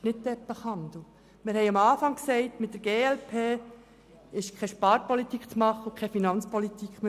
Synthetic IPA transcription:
nɪt̚dɛpəχɑnd̪l̩ | mɪɾhɛɪɑmɑːfɑŋksɛɪtmɪtdəɾɡ̥eːɛlpʰeː | ɪʃkʰɛʃpɑːɾpɔlit̪ikt͡smɑχːəukʰχɛfinɑnt͡spɔlit̪ikʰm

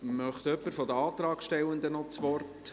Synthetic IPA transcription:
mœχt̪œpːəɾfɔd̪əɑːt̪rɑːkʃtɛlənd̪ənɔt͡sʋɔrt

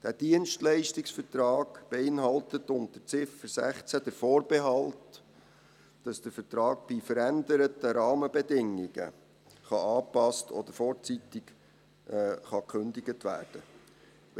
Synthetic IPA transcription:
d̥æd̥iənʃtlɛɪʃtɪksfəɾtɾɑːɡ̥b̥eɪnɦɑltət̪ʊnt̚d̥ət͡sɪfəɾsæ̰χt͡sæd̥̪əɾfɔːɾb̥ɛɦɑlt | d̥ɑsd̥əɾfəɾtɾɑːɡ̚b̥ifəɾændəɾətəɾɑːməbɛdɪŋiɡə̰ | χɑɑːpɑstɔ̰d̥̪əɾfɔːɾt͡sit̪ɪk | χɑkχɵndiɡətʋæ̰ːɾd̥ə

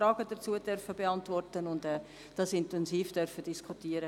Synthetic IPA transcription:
ɾɑːɡ̥əd̥ət͡suːəd̥œrfəbeɑntvɔrtənʊndɛː | d̥ɑsɪntɛnziːfd̥œɾfəd̥iskʰutiəɾə

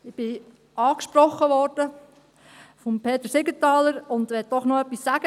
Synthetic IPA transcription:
ɪb̥ɪ | ɑːkʃpɾɔχːəʋɔɾd̥ə | fɔmpʰeːt̪əsɪɡətɑːləɾʊnd̪ʋɛt̚d̥ɔχnoœpːisːæɡ̥ə

